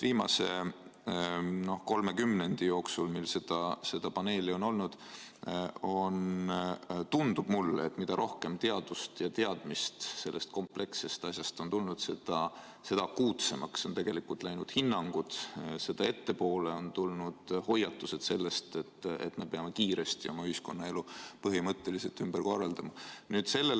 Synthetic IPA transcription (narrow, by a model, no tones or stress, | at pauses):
viːmɑ̰se̞̰ | no̞hko̞lme̞kymne̞nd̪̥ijo̞ːksulmilse̞d̪̥ɑse̞d̪̥ɑpɑne̞ːlio̞no̞lnud̪̥ | on | t̪und̪̥ub̥mulːet̪ːˑmid̪̥ɑɾʔo̞hke̞mt̪e̞ɑd̪̥ust̪jɑt̪e̞ɑd̪̥mist̪se̞lːe̞st̪̚ko̞mple̞kse̞st̪ɑsjɑst̪o̞nt̪ulnud̪̥se̞d̪̥ɑ | se̞d̪̥ɑkuːt̪se̞mɑkso̞nt̪e̞ɡ̥elikult̪ˑlæjnud̪̥hinːɑŋɡ̥ud̪̥se̞d̪̥ɑe̞t̪ːe̞po̞ːle̞o̞nt̪ulnud̪̥ho̞jɑt̪ːuse̞d̪̥se̞lːe̞st̪et̪ːḛt̪ːˑme̞peɑme̞kiːɾe̞st̪io̞mɑyhisko̞nːɑe̞lupɤɦimɤt̪ːe̞lise̞lt̪ymb̥ərko̞rːɑld̪ɑmɑnyːd̪̥se̞lːe̞l